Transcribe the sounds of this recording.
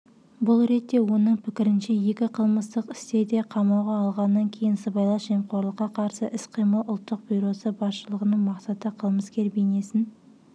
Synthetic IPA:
bʊlˠɾe̞t̪ːe̞wo̞nəɴpʰɪkʲɪɾɪnʃe̞je̞kʲɪqʰəlˠməst̪əqɪ̥st̪e̞d̪e̞qʰɑmɑwʁɑːlˠʁɑnːɑŋkʲʰe̞jɪnsəbɑjlˠɑʒemqʰo̞ɾlˠəqːɑqʰɑɾsəʔɪsqʰijməlˠʊlˠt̪ːəq̚bʲujɾo̞səbɑsʃəlˠəʁənəɴmɑqsɑt̪əqʰəlˠməskʲe̞ɾbejne̞sɪn

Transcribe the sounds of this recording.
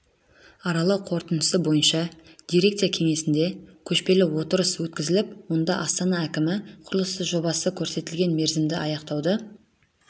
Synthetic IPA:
ɑɾɑlˠɑwqʰo̞ɾt̪ənəsəbo̞jənʃɑd̪̥ijɾe̞k̚t̪ijakʲʰe̞ŋe̞sɪnd̪e̞kʲʰɵʃpe̞lɪwo̞t̪əɾəswɵt̪̚kʲɪzɪlɪpwo̞nd̪ɑʔɑst̪ɑnɑækʲɪmɪqʰʊɾəlˠəst̪əʒo̞bɑsəkʲʰɵɾse̞t̪ɪlɡʲe̞nme̞ɾzɪmd̪ɪɑjɑqt̪ɑwd̪ə

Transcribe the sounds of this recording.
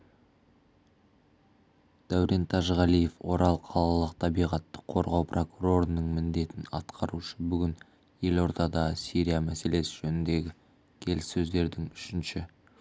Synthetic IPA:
d̪̥æwɾʔent̪ʰɑʒʁɑlije̞fwo̞ɾɑlˠqʰɑlˠɑlˠəqt̪ʰɑbijʁɑt̪ːə̥qʰːo̞ɾʁɑwprʔo̞kuɾo̞ɾənəɴmɪnd̪e̞t̪ɪnɑ̰t̪qʰɑɾuʃəbʏɡʲɪn | je̞lo̞ɾt̪ɑd̪ɑəsiɾʲijamæse̞le̞sɪʒɵnɪnd̪e̞ɡʲɪ | kʲʰe̞lɪsːɵzd̪e̞ɾd̪ɪŋʏʃɪnʃɪ

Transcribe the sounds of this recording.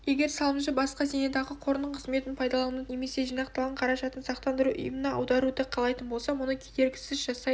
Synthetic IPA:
je̞ɡʲe̞ɾsɑlˠəmʃəbɑsqɑzened̪ɑʁəqʰo̞ɾənəɴqʰəzme̞t̪ɪnpʰɑjd̪ɑlˠɑnne̞me̞se̞ʒijnɑq̚t̪ɑlˠʁɑɴqʰɑɾɑʒɑt̪ənsɑqt̪ɑnd̪əɾuʔʊ̰jəmənɑɑ̰wd̪ɑɾud̪əqʰɑlˠɑjt̪ənbo̞lˠsɑmʊnəkʲʰed̪e̞ɾɡʲɪsɪzʒɑsɑj

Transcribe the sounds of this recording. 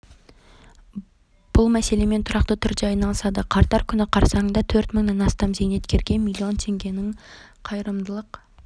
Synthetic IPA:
b̥ʊlˠmæse̞le̞me̞nt̪ʰʊɾɑqt̪ət̪ʰʏɾd̪eɑjnɑlˠəsɑd̪əqʰɑɾt̪ɑɾkʲʰʏnɪqʰɑɾsɑɴd̪ɑt̪ʰɵɾt̪məŋnenɑst̪ɑmzejne̞t̪kʲʰe̞ɾɡʲe̞nmilˠio̞nt̪ʰe̞ŋɡʲe̞nɪŋqʰɑjəɾəmd̪əlˠəq

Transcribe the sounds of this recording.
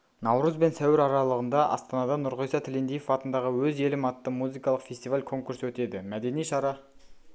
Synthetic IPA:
nɑwɾəzbe̞nsæwɪɾɑɾɑlˠəʁənd̪ɑʔɑ̰st̪ɑnɑd̪ɑnʊɾʁəjsɑt̪ʰɪlend̪ijefɑt̪ənd̪ɑʁəwɵze̞lɪmɑt̪ːəmuzijkɑlˠəqfe̞st̪ivalʲkʰo̞ŋkuɾswɵt̪e̞d̪ɪmæd̪e̞nijʃɑɾɑ

